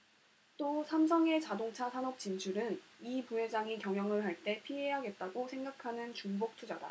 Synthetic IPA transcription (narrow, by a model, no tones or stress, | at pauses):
t͈osʰamsʰʌŋe̞t͡ɕadoŋt͡ɕʰasʰanʌp̚t͡ɕ͈int͡ɕʰuɾɯnipuɦe̞d͡ʑaŋikjʌŋjʌŋɯɭɦaɭt͈e̞pʰiɦeɦaɡe̞t̚t͈aɡosʰe̞ŋɡakʰanɯnt͡ɕuŋbok̚tʰud͡ʑada̰